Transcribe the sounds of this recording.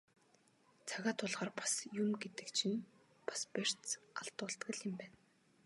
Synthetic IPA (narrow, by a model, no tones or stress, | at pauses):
t͡sʰaɣaːt̪ʰʊɮʁaːrpḁsjumɡet̪ɘ̆kt͡ɕʰɪ̆n | pḁsper̥ʲt͡saɬt̪ʊːɮt̪ɡɘ̆ɮɪ̆mpæːn